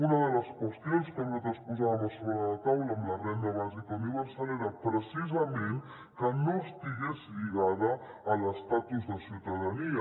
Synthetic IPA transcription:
unəðələskwəst̪jonskəət̪əspuzaβəməsəβɔɾəðət̪awləːmlərɛnd̪əβazikəuniβəɾsaleɾəpɾəsizəmẽn | kənoəst̪iɣesʎiɣaðəː | ləst̪at̪uzðəsiuwt̪əðəniə

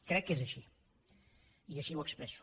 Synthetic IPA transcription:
kɾɛkːezəʃi | iəʃiwəkspɾɛsu

